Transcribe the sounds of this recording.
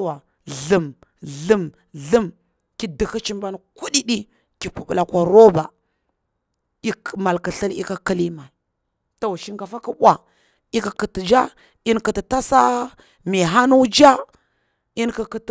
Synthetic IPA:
wa˨ | ɮə˨m | ɮə˦˨m | ɮə˦m | ki˦də˨xə˦t͡ʃi˦mba˦nku˦ɗi˦ɗi˦ | ki˨pu˨ɓla˨kʷa˨ɾo˦ba˨ | i˦˨ma˨lkə˨ɬə˦li˦ka˦kə˦li˦ma˨l | ta˨wʃi˦ŋka˨fa˦ka˦ɓʷa˨ | i˦ka˨kə˨tə˨d͡ʒa˦ | i˦nkə˨tə˨ta˦sa˦ | mi˨ɦa˦nu˦d͡ʒa˦ | i˦nka˨kə˨t

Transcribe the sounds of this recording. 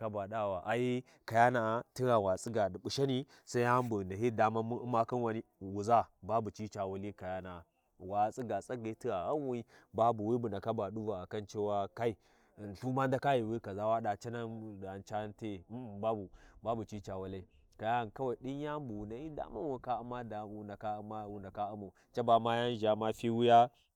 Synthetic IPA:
ka˦ba˨ɗa˦˨wa˨ʔa˨ji˦ | ka˨ja˦na˨ti˦ɾa˨wa˨t͡sʼi˦ɡa˨bu˨ʃa˦ni˦ | sa˦ja˦mbu˨na˨hi˦da˨ma˦ma˦ki˦nwa˨ni˦wu˨za˦ba˦bu˨t͡ʃi˦t͡ʃa˨wa˦li˦ka˨ja˦na˨ | wa˨t͡sʼi˦ɡa˨t͡sʼa˦ɡa˨˦ti˦ɾa˨ɣa˦n˦wi˦ba˦bu˨wi˦bu˨na˨ka˦ba˨ɗu˦va˨ka˦nt͡ʃe˦wa˦ka˦i˦˨ | n˨ɬu˦ma˦n˦da˦ka˦ji˨wi˦ka˨za˦wa˦ɗa˨t͡ʃa˦na˦˨a˨nt͡ʃa˦nte˦˨˦ba˦bu˨ba˦bu˨t͡ʃi˦t͡ʃa˨wa˦la˦i˦ | ka˨ja˦˨n˨ka˦wa˨ɗi˦n˦ja˦bu˨wna˨hi˦da̰˦ma˦nwu˨ka˦u˦ma˦da˨u˨na˨ka˦ma˦wu˨nda˨ka˦u˦mu˨ | t͡ʃa˦ba˨ma˦ja˦n˦ʒa˨ma˦fi˦wu˦ja˦

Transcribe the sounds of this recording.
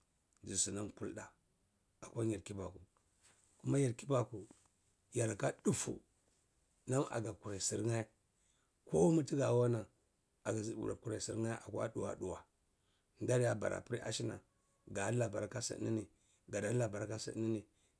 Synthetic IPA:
d͡ʒi˨si˨na˦mku˦lda˨ | a˨kʷa˦ɲi˨ɾki˦ba˨ku˨ | ku˦ma˦ja˨ɾki˦ba˨ku˨ | ja˨ɾka˦du˦fṵ˨ | na˦ma̰˨ɡa˨ku˨ɾa˨si˨ɾŋa˦ | ko˦mu˦ti˦ɡa˨wa˦na˨ | a˨ɡa˨zi˦bṵ˨ɾa˨ku˨ɾa˨si˨ɾŋa˦ʔa̰˨kwa̰˦ɗu˨wa̰˨ɗu˨wa˨ | nda˦ɾja˦ba̰˨ɾʔa̰˨pi˦ɾi˦ʔa̰˦ʃi˦na̰˨ | ɡa˨˦la˨ba˨ɾka˦sa̰˨˦i˦ni˨ | ɡa˨da˦la˨ba˨ɾka˦sə̰˦˨˦ni˦ni˨

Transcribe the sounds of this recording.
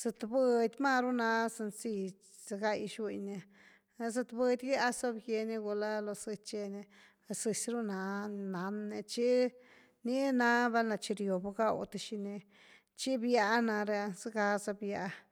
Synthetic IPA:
sɨ˧t̪bɨ˧d̪ʲma˦˧ɾu˦na˧sɨ˧nsi˧ | sa˧ɡa˧jʃwi˧ɲne˧ | sɨ˧t̪bɨ˧d̪ʲɡa˦a˦so˦bje˧ni˧ɡu˧la˦lo˧sɨ˧t͡ʃe˧ne˧ | sɨ˧sɾu˦na˧na˨˦nːe˧t͡ʃi˦ | ni˦na˦ba˧nla˧t͡ʃi˧ɾjo˨ba˧ɡa˦wt̪a˧ʃi˧ne˧ | t͡ʃi˦bja˧na˧ɾe˧zɨ˦ɡa˧za˧bja˧

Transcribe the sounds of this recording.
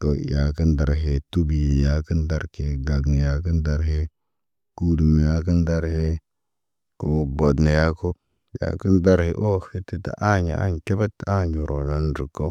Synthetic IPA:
ko˨ja˨ki˦nda˨ɾɦe˨tu˦bi˨ja˨˦ki˦nda˦ɾke˨ɡa˨ɡn˨ja˨kə˦nda˨ɾɦe˦ | ku˦du˨m˨ja˦ki˦nda˦ɾhe˦ | ko˨bo˨dna˨ja˦ko˦ | ja̰˨ki˦nda˦ɾhḛ˨ʔo˦hi˦tːi˦ta̰˨ʔa˦ɲa̰˨a̰˦ŋ˨ke˦ba˦tːa˦˨ɲu˨ɾʔo˨la˦nɾu˨kːo˦

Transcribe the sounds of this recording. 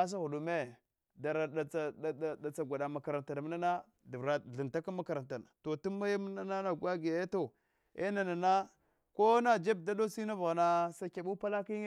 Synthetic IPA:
a˦s̬a˦ɣu˨du˨me˦ | da˨ɾa˨a˨a˨da˨t͡sa˨ɡʷa˨da˨ma˨ka˨ɾa˨nta˨n˨mi˦na˦na˦ | du˨vɾa˨ɮi˨nta˦ka˦ma˦ka˨ɾa˨nta˨n˨to˨tu˦ma˦ja˦mə˦na˦na˦na˦˨ɡʷa˦ɡja˨jto˨ | ḛ˦na˨na˨na˦ | ko˦na˦d͡ʒe˦b̚da˦do˦si˦na˦va˨ɣa˨na˨sa˦kʲa˨ɓu˦pa˦la˦ki˦ŋ˦

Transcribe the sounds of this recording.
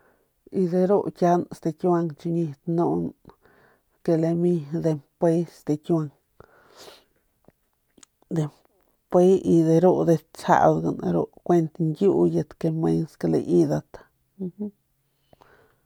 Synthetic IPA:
i˧d̪e˧ɾo˦kʲja˧˦nst̪e˧kʲa˧ŋt͡ʃu˧ɲi˧t̪no˧n | ke˧le˧mi˧d̪e˧mpe˧˦st̪e˧kʲa˧ŋ | d̪e˧m | pʷe˦i˧d̪e˧ɾo˦˧d̪e˧t͡ʃa̰˧ʔld̪ɡa˧naɾo̰˦˧kʷe˧nt̪ŋɡʲju˦je˧t̪ke˧me˧nska˧lḛ˧ʔi˧d̪a˧t̪a˧ | h

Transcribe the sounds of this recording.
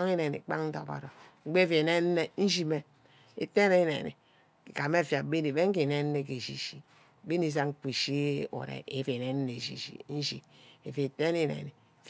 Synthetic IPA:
ŋe˦ne˨nḭ˨k͡pa˦ŋn̩˦to˨ba̰˨ɾo˨ŋ͡m̩˦ɡ͡be˦fe˨ne˦n˦ne˦n̩˦ʃi˦me˦ | ḛ˨te˦ne˦nḛ˨nḭ˨ | ka˨me˦˨fja˨˦be˦ni˨be˦ŋ̩˦e˨ne˦n˦ne˦ke˨ʃi˨ʃi˨ | be˦ni˦s̬a˦ŋ̩˦k͡pi˨ʃi˦o̰˨ɾḛ˨e˨fe˨ne˦n˦ne˨ʃḭ˨ʃḭ˨n̩˦ʃḭ˨e˨fe˨te˦ni˦˨nḛ˨ni˨f

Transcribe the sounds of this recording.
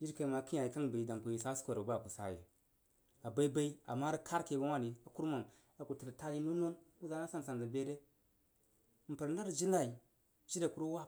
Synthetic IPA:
d͡ʒi˦ɾka˨ma˨ki˦a˨ji˨ka˦n˨ba˨i˨da˨ŋku˨ji˨sa˦sko˨ɾba˦˨ku˨sa̰˨jḭ˨ | a˨ba˦i˦ba˦i˦a̰˨mːa˦ɾi˦kʰa˦ɾke˨ɡa˦wʷa˦˨ni˨a˨ku˦ɾma˨ŋ | a˨ku˨ti˨ɾta˦ji˦no˦no˦nu˦za˦na˦sa˦n˨sa˨nza˨be˦ɾe˦ | m̩˨pə˨ɾn˦a˦ɾd͡ʒi˦na˨i˨ | d͡ʒi˦da˨ku˦ɾu˦wa˦

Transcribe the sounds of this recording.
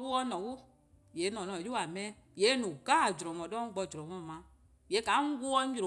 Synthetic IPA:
wu˦ɔ˧nɔ̃˨ku˦ | je˨˦nɔ̃˨nɔ̃˨ju˦a˨mɛ̃˦ | je˨˦nũ˨ɡa˦˨d͡ʒɾɔ̃˨mɔ̃˨dɔ̃˦ŋ̩˦ɡ͡bɔ˧˨d͡ʒɾɔ̃˨mɔ̃˦˨mã˨˦ | je˨˦ka˨˦ŋu˦ɡu˦ɔ˦˨ɾo˨

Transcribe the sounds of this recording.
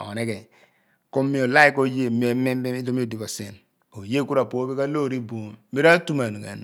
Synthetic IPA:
o̰˨ne˦ke˨ | ko˦mi˦o˨la˦i˦ko˦je˦m˨o˨me˦e˦i˦do˦mi˦o˨di˨ko˨se˨n | o˨je˦ku˦ɾa˨po˨˦be˦ka˦lo˦˨ɾi˦bo˨m˦mi˦ɾa˦tu˦ma˨n˨ka̰˨n˨

